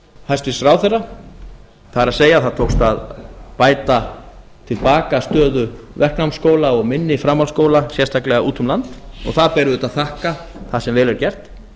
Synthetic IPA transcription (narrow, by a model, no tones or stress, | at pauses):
hajst̪ɪsɾaːwθerːa | θaɾaðseːjaθaðt̪ʰowkst̪aðpaːjt̪a | t̪ʰɪlpaːkast̪œːðʏvɛr̥knawmskoːwlaɔɣmɪnːɪfɾamːalskoːwlasjɛrst̪ʰaklɛɣaʔuːt̪ʰʏmlant̪ɔ̰ɣθaðpɛɾʏðʏt̪aðθahka | θasɛmvɛːlvɛɾcɛr̥t̪